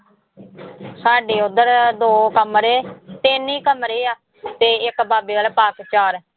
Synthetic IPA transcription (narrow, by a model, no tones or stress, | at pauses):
saːɖeːʊd̪əɾd̪oːkəmɾeːt̪ɪniːkəmɾiːaː | t̪eːɪkbaːbeːalpaːkt͡ʃaːɾ